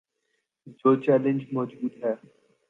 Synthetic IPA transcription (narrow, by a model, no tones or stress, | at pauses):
d͡ʒoːt͡ʃɛːlə̃nd͡ʒmɔd͡ʒuːd̪ɦɛː